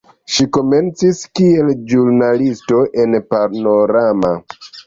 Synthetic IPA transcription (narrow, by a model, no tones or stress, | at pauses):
ʃiko̞me̞nt͡siskie̞ld͡ʒuɾnalisto̞ʔe̞npaɾno̞ɾama